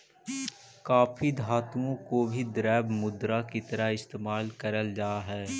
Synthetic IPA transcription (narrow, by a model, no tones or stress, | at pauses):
kaːpʰid̪ʱaːt̪uõkobʱid̪ɾɛːbmʊd̪ɾakit̪əɾaɪst̪eːmaːlkəɾəld͡ʒaːɦɛː